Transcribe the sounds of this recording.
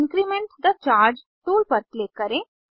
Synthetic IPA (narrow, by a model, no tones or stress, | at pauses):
ŋkɾimẽɳʈd̪at͡ʃaːɾd͡ʒ | t̪uːlpəɾkleːkːəɾẽ